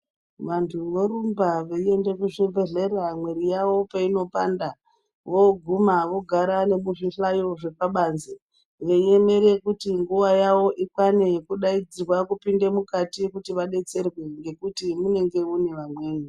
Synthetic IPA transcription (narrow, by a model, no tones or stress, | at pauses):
ʋantʰuʋoɾumbaʋeie̞nde̞kuʐivʱeɮe̞ramweɾijaʋo̞paino̞panda | ʋo̞ɡʱumaʋo̞ɡʱaɾane̞muʐiɬajo̞ʐe̞paɓanze | ŋɡeie̞me̞ɾe̞kutiŋɡuʋajawo̞ʔikwane̞kuɗaid͡zirwakupinde̞mukatikutiʋaɗe̞t͡se̞rwe̞ŋɡe̞kutimune̞ŋɡe̞une̞ʋamwe̞ːɲe